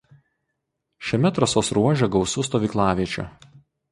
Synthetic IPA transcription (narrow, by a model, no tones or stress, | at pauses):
ʃʲɛmʲɛt̪ɾɐsoːsɾuɔʒʲɛɡɒʊsʊst̪oːʋʲiːklˠɑːʋʲiɛt͡ʃʲʊ̰